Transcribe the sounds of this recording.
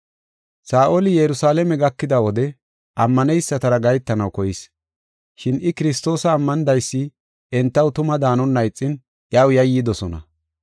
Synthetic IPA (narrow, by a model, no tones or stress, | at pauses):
saːʔolɪjɛɾʊsaːlɛmɛɡɐkːɪd̪ɐwɔd̪ɛ | ʔɐmːɐnɛjsːɐt̪ɐɾɐɡɐjt̪ːɐnɐwkɔjɪs | ʃɪnʔɪkɪɾɪst̪o̞ːsɐːmːɐnd̪ɐjsːɪ | ɛnt̪ːɐwt̪ʊmɐd̪aːnɔnːɐjt͡sʼːɪn | ʔɪɐwjɐjːɪd̪ɔsɔnɐ̰